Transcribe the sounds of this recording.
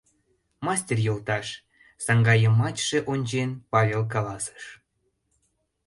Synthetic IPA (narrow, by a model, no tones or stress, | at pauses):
mɑsʲtʲerjolˠt̪ɑʃ | sɑŋɡɑjəmɑt͡ɕʲʃeʔonʲt͡ɕenpɑvʲelk̬ɑlɑsə̥ʃ